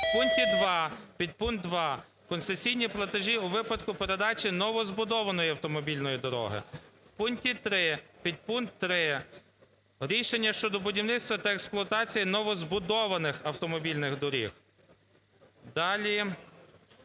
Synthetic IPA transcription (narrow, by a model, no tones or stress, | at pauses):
wpunk̚tʲid̪ʋɑpʲid̪̚pun̚d̪ʋɑ | kɔnsesʲijnʲiplˠɐt̪eʒʲiuʋɪpɐd̪kʊpe̞ɾe̞d̪ɑt͡ʃʲinɔʋɔzbʊd̪ɔʋɐnɔjiɐwt̪ɔmɔbʲilʲnɔjid̪ɔɾɔ̰ɦɪ̰wpunktʲit̪ɾɪpʲid̪̚punkt̪ːɾɪ | ɾʲiʃenʲːɐʃt͡ʃɔd̪ɔbʊdʲiwnɪt̪st̪ʋɐt̪ɐeksplˠʊɔɐt̪ɑt͡sʲijinɔʋɔzbʊd̪ɔʋɐnɪxɐwt̪ɔmɔbʲilʲnɪxd̪ɔɾʲix | d̪ɑlʲi